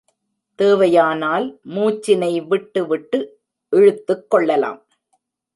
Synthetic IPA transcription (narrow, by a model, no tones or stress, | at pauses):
t̪eːʋɐjaːnaːlmuːt͡ʃːɪnɐɪʋɪʈːɯʋɪʈːɯ | ʔɛɻɯt̪ːɯkːɔɭːɐla̰ːm